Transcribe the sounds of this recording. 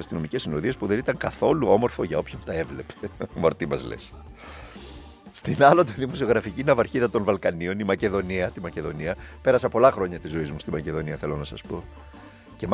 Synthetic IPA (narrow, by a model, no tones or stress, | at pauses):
ɐst̪ino̞mice̞sinoðie̞spuðe̞nit̪ɐŋkɐθo̞luo̞mo̞ɾfo̞ʝɐo̞pçont̪ɐe̞vle̞pemo̞ɾt̪imɐ̰zlḛs | st̪inɐlot̪iðimo̞sio̞ɣɾɐficinɐvɐɾçiðɐt̪o̞nvɐlkɐnio̞nimɐce̞ðo̞niɐt̪imɐce̞ðo̞niɐpe̞ɾɐsɐpo̞lɐxɾo̞ɲɐt̪izo̞izmust̪imɐce̞ðo̞niɐθe̞lo̞nɐsɐspo̞ | ce̞m